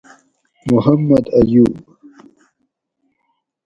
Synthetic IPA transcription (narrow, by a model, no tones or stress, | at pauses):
mʊhɐmːɐd̪ɐjuːb